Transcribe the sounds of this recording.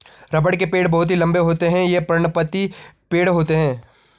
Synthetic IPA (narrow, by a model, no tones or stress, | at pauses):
ɾɐbəɽk̬epeːɽbɐɦʊt̪̬ɦilɐ̃mbeɦoːt̪eɦɛ̃jepɾɐɾɳ̃pət̪ipeːɽɦoːt̪eɦɛ̃ː